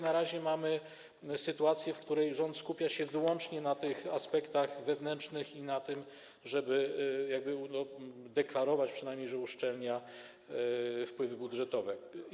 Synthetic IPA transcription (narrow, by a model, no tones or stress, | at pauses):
naɾaʑɛmamɘ | sɘt̪uat̪sʲjɛfkt̪uɾɛjʐɔnt̪skupʲjaɕɛvɘwɔnt͡ʂɲɛnat̪ɘxaspɛkt̪aɣvɛvnɛnt͡ʂnɘxinat̪ɘm | ʐɛbɘjaɡ̚bɘnɔ | d̪ɛklaɾɔvat͡ɕpʂɨnajmɲejʐɛuʂt͡ʂɛlɲa | fpwɘvɘbudʐɛt̪ɔvɛ